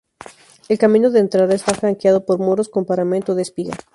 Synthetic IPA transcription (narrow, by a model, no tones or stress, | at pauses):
elkamĩnoðeːnt̪ɾaðaest̪afɾaŋkjað̞opoɾmoɾosko̞mpaɾament̪oðespiɣa̰